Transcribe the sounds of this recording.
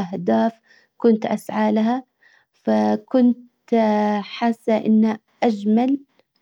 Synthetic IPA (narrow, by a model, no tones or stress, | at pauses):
ʔahd̪aːf | kʊnt̪ʔa̰sʕaːlaɦa | fakʊnt̪ | ħaːsːaʔɪ̰nːa | ʔad͡ʒmal